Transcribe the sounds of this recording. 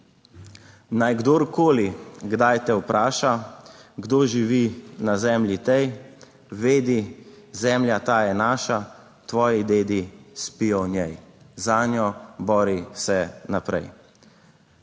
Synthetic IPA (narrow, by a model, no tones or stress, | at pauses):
najɡd̪oɾkoːliɡd̪ajt̪ɛwpɾʔaːʃaɡd̪oʒiʋinazɛːmlʲjit̪ɛj | ʋeːd̪i | zɛːmljat̪aːjɛnaːʃa | t̪ʋɔːjid̪eːd̪ispijɔnjɛjzaːnjɔbɔːɾisɛnapɾɛ̰j